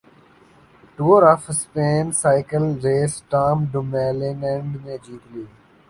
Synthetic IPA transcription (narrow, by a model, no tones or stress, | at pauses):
ʈuːɾɔfspeːnsaɪkəlɾeːsʈaːmɖʊmeːlɪ̃nɛ̃ɳɖneːd͡ʒiːt̪liː